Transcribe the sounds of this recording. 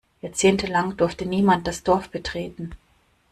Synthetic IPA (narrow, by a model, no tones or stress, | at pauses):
jaɐt͡seːntəlaŋdʊɐftəniːmant̚d̥asd̥ɔɐfb̥ətʁ̥eːtn̩